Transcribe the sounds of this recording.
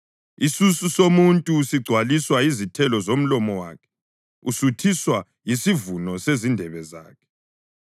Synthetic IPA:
isususomuntʼusiɡ͡ǀʱwaliswaizitʰɛlɔzom̩lɔmɔwa̰ːkʰɛ̥ | usutʰiswa | jisivunɔsezindʱɛβɛza̰ːkʰɛ̥

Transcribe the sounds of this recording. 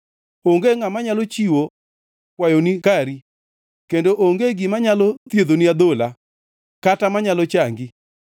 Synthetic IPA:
oŋɡeŋamaɲalot͡ʃiwo | kwajonikaɾi | kendoʔoŋɡeɡimaɲalɔt̪jeðoniad̪ola | katamaɲalɔt͡ʃaŋɡi

